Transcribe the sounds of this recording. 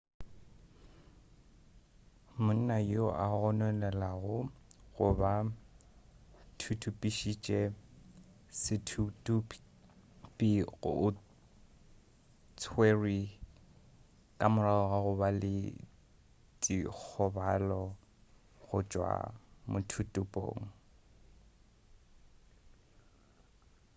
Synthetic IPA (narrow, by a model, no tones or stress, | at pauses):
mʊn̩najoʔaɣɔnɛlɛlaɣʊɣʊba | tʰutʰupʼiʃit͡ʃʼɛ | sɪtʰutup | pʼiɣʊ̰ʊ | t͡sʰweri | kʼamʊlaɔɣaɣʊbalɪ̰ | tʼik͡xʰɔbalɔ | ɣʊt͡ʃʼwa̰mʊtʰutʼupʼo̰ːŋ̩